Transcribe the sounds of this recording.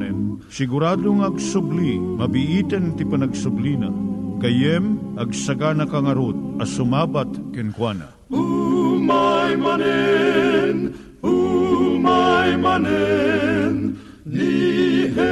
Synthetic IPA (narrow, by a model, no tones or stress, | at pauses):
ɛn | sɪɡʊɾaːd̪oŋɐɡsʊblimɐbiʔit̪ɛnt̪ipɐnɐɡsʊblina̰kɐjɛmɐɡsɐɡanɐkaŋɐɾod̪̚ɐsʊmaːbat̪kɪnkwana̰ | umajmanɛ | n | umajmanɛ | n | i